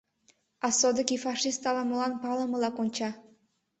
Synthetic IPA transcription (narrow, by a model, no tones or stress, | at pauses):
ɑsod̪ɤkifɑʂist̪ɑlɑmɤlɑnpɑlˠɤ̆mɤ̆lɑkonʲt͡ɕɑ